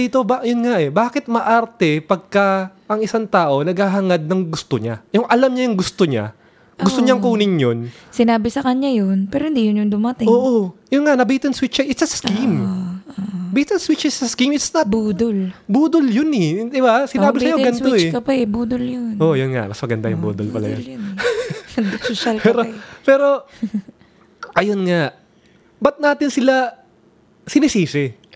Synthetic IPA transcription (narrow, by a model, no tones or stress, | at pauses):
iːt̪obajʊnŋaʔɛbaːkɪt̪̚mɐʔaɾt̪ɛpɐɡ̚kɐʔɐŋɪsaŋt̪aːʔo̞nɐɡhaːɦɐŋad̪̚nɐŋɡʊst̪oɲajʊŋʔɐlamɲɐjʊŋɡʊst̪o̞ɲa̰ | ɡʊst̪oɲaŋkoːnɪɲjon | sɪnaːbɪsɐkɐɲajonpɛːɾohɪnd̪ijʊnjʊŋd̪ʊmɐt̪ɪoːʔojʊnŋanɐbit̪ɐnswɪt͡ʃkɐʔɪt̪sɐskimobit̪ɐnswɪt͡ʃɪt̪sɐskimɪt̪snɐt̪̚buːd̪olbuːd̪oljʊnɛd̪ɪbasɪnaːbɪsɐjoɡɐnw̪oɛkɐpɐɛbuːd̪oljonʔojʊnŋa̰mɐsmɐɡɐnd̪a̰jʊ̰ŋbṵd̪o̰lpɐ̰lɐ̰jo̰jn | soʃalkpɛːɾopɛːɾo̞ | ʔɐjonŋaʔ | bɐt̪̚naːt̪ɪnsɪla | sɪnɪsiːsɪɛ